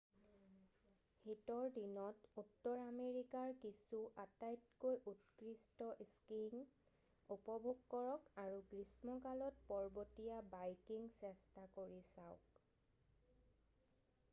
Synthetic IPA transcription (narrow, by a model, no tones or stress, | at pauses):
hitɔɹdinɔtutːɔɹameɹikaɹkisuʔatajtkojʔutkɹistɔʔiskiŋ | upɔbʱoɡkɔɹɔkaɹuɡɹismɔkalɔt̚pɔɹbotijabajkiŋsɛstakoɹisaʊk